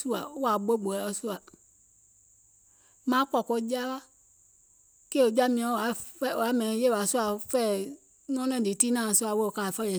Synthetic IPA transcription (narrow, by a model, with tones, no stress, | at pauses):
su˦a̰˨˦a˨ɡ͡bo˦ɡ͡bo˨ɛ˨˦ɔ˨su˦a˨ | mã˦kɔ˨ko˦d͡ʒa˦wa˦ | ke˦o˨d͡ʒa˦mĩ˨ã˨˦˨a˨˦fa˨˦mɛ̃˨˦je˦wa˨su˦a˨fɛ˦˨ | n˦ɔ̃˦nɛ̃˦˨di˨ti˦nã˦˨su˦a˨wo˦o˨ka˨fɛ˦jɛ˨